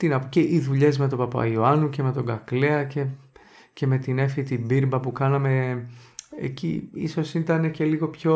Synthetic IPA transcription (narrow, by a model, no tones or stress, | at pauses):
t̪inɐpuceʔiðuʎe̞zme̞t̪o̞pɐpɐ̰ioɐnuce̞me̞t̪o̞ɡɐkle̞ɐce̞ | ce̞me̞t̪ine̞fit̪ibiɾbɐpukɐnɐme̞ | ḛcḭḭso̞sit̪ɐne̞ce̞liɣo̞pço̞